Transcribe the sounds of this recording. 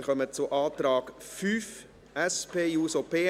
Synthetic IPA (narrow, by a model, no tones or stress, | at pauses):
χœmət͡sʊʔɑːt̪ɾɑːɡfyːf | ʔɛspeːjuːsopʰeː